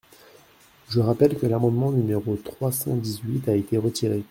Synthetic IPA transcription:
ʒəʁapɛlkəlamɑ̃d̪mɑ̃nymeʁot̪χwasɑ̰̃d̪izɥit̪aet̪eʁət̪iʁe

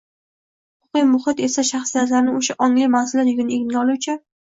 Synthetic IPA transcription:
hʊʊʊqijmʊχɪt̪e̞saʃaχsijat̪laɾnɪoʃaʔɒŋlimazɪlat̪jʊɡʲɪneɡʲɪnɡʲaɒlˠuwt͡ʃʰɪ

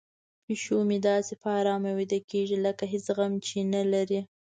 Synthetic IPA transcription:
piʃomid̪ɑsepɑɾɑmawid̪akeʒiləkaɦɪsɣamt͡ʃenalaɾi

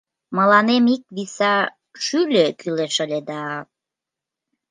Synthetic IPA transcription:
məlɑnemik̚βisɑ | ʃylʲøkyleʃəlʲed̪ɑ

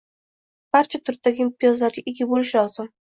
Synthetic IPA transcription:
b̥aɾt͡ʃʰat̪ʰʊɾ̚t̪aɡʲɪmpijɒzlaɾɡʲɪʔɪɡʲabolɪʃɪlɒz̥ɪm

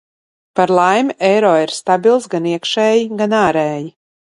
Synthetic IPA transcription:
paɾlˠajmʲʔɛjɾɔːiɾst̪abʲilˠsɡaniɛkʃɛːjiɡanaːɾɛːji

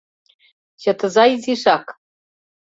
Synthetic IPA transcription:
ɕɤ̆t̪ɤ̆zɑiziʃɑk

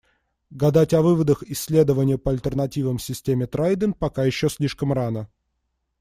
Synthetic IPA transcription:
ɡɐd̪atʲɐvɨvəd̪əxɪsʲːlʲe̞d̪əvənʲɪjəpəɐlʲt̪ʲərnɐtʲivəmsʲɪsʲtʲemʲɪt̪ɾajd̪ʲɪnpɐkajɪɕːosʲlʲiʂkəmranə

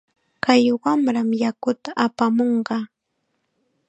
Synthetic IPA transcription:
kajwamɾamjakʊt̪aʔːpamoɴɢɑː

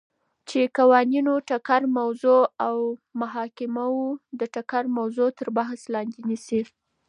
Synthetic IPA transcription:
t͡ʃekawɑninoʈakaɾmawzoawmaɦɑkɪmaud̪əʈakaɾmawzot̪əɾbaɦslɑnd̪enisi

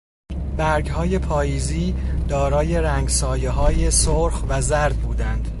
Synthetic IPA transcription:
bæɾɡhɒːje̞pʰɒːjiːziːd̪̥ɒːɾɒːje̞ɾæŋɡsɒːjeɦɒːje̞soɾxvæzæɾd̪̚buːd̪ænd̪̥

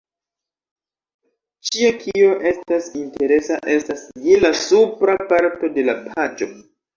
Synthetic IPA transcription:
t͡ʃiakʰio̞ʔe̞stasinte̞ɾe̞saʔe̞stasjelasupɾapaɾto̞de̞lapʰad͡ʒo̞

